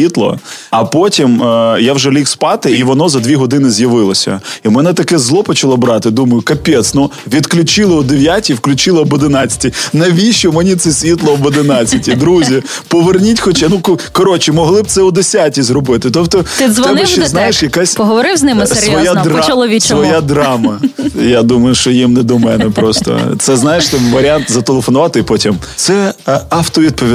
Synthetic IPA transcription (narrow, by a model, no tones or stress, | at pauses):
it̪lˠɔ̰ɐpotʲimjawʒɛlʲikspɑt̪ɪiʋɔnɔzɐd̪ʲʋʲiɦɔd̪ɪnɪzʲjɐʋɪlˠɔsʲɐ̰imɛnɛt̪ɐkɛzlˠɔpɔt͡ʃɐlˠɔbɾɑt̪ɪd̪umɐjʊkɐpʲet̪snu | ʋʲid̪klʲʊt͡ʃɪlˠɪɔd̪eʋʲjatʲiwklʲʊt͡ʃɪlˠɪɔbɔd̪ɪnɑt͡sʲɐ̥tʲinɐʋʲiʃɪmenʲit̪sɛsʲʋʲit̪lˠɔɔbɔd̪ɪnɑt͡sʲːɐtʲid̪ɾuzʲi | pɔʋernʲitʲxɔt͡ʃɛnukkɔɾɔt͡ʃimɔɦlˠɪb̚t̪sɛʊd̪esʲatʲizɾɔbɪt̪ɪt̪ɔbt̪ɔt̪ɪzʋt̪ɛnɪʃɛznajeʃjɐkasʲpɔɦɔʋɔɾɪwznɪmɪssʲɾj̪ɔjad̪ɾɔlˠɔʋʲit͡ʃsʋɔjad̪ɾɑmɐjad̪umɐjʊʃt͡ʃɔjimnɛd̪ɔmɛnɛpɾɔst̪ɔ̰t̪sɛznɑjeʃt̪ɪmʋɐɾʲant̪zɐt̪elˠefɔnʊʋɑt̪ɪpɔtʲimt̪sɛɑwt̪ɔʋʲid̪̚pɔʋʲi